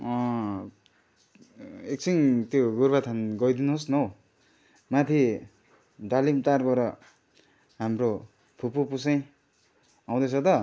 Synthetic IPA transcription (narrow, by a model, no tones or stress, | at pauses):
ʌ̃ | ek̚t͡sʰiŋt̪joɡurbat̪ʰanɡʌjd̪inuɦosnʌw | mat̪ʰi | d̪alimt̪arbʌɾʌ | ɦamro | pʰupupusʌj̃ | aw̃d̪ʌt͡sʰʌt̪ʌ